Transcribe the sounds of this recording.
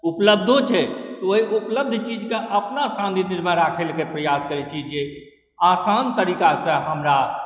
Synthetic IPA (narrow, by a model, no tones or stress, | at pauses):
upləb̚d̪ʱot͡ʃʰɛt̪ɔoiʔupləb̚d̪ʱt͡ʃid͡ʒkeʔəpnasãnd̪ʱiniɾməɾakʰelkepɾəjaskəɾɛt͡ʃʰid͡ʒe | asant̪əɾikasə̃ɦəmɾa